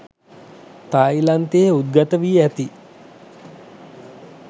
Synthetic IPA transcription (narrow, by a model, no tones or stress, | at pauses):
t̪ajlant̪ejud̪̚ɡat̪əʋiːæt̪i